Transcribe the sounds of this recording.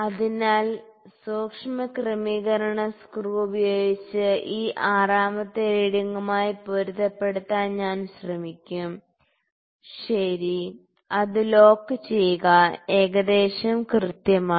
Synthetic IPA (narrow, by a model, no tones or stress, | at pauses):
ɐðinaːlsoːkʂɐmɐkrɐmiːɣɐɾɐɳɐskruːubɐjoːɡit͡ɕːɨʔiːʔaːraːmɐt̪ːeeːɽiŋːumaːjipoɾuðɐpːe̞ɽut̪ːaːnɲaːnɕrɐmikʲːum | ɕɐɾi | ɐðɨlo̞ːkːɨt͡ɕe̞juɣɐe̞ːɣɐd̪e̞ːɕɐmkrɨt̪jɐmaː